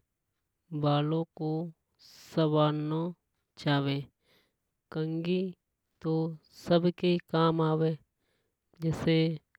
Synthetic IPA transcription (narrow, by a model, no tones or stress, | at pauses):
baːlõko | səbaːno | t͡ʃaːweː | kə̃ŋɡi | t̪o | səbʱkekaːmaːweː | d͡ʒɛːse